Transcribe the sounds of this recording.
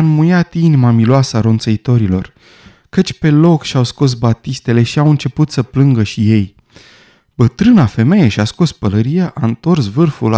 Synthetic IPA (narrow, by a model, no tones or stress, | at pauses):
anmujat̪inimamiloasəaɾo̞nt̪səit̪o̞ɾilo̞̰r | kət͡ʃʲpe̞lo̞kʃawsko̞s̬bat̪ist̪e̞le̞ʃiawɨnt͡ʃe̞put̪səplɨŋɡəʃije̞j | bət̪ɾɨnafe̞me̞jeʃiasko̞spələɾijeʔaɨnt̪o̞rsvɨrful